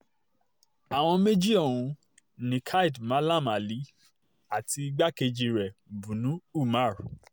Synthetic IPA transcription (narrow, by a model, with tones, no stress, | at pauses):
a˨w̃ɔ̃˧me˦d͡ʒi˦õ˦˨ũ˧ | nĩ˨kʰa˦i˦˨dmã˨˦la˦˨ma˨li˨˦ | a˦˨ti˧ɡ͡ba˦ke˧d͡ʒi˧ɾɛ˨bũ˨nũ˨˦u˦˨ma˦˨ɾ